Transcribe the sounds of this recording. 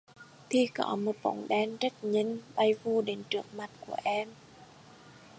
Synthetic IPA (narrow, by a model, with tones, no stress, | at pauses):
t̪ʰi˧kɔ̰˧˨˦mo˨˩t̚ɓo̰˧˦ŋ͡mɗɛ˧nt͡ɕə˦˥k̚ɲə˧˥nɓa˧jvu˧ɗe˨˦nt͡ɕɨ˦˥ək̚ma˨˩t̚ku˧˩əʔɛ˧m